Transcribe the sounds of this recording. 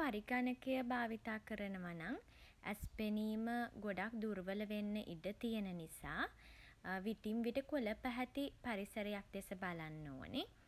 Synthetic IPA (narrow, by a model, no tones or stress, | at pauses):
paɾiɡanəkəjəbaːʋit̪aːkəɾənəʋanaŋ | æ̰speniːməɡoɖak̚d̪uɾʋələʋenːəʔidət̪ijənənisaː | ʋit̪imʋiʈəkoləpæɦɛt̪ipaɾisəɾejak̚d̪esəbalanːo̰ːnʔe